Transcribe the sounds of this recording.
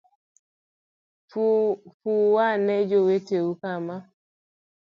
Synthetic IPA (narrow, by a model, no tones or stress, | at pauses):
fuwanɛd͡ʒoweteukama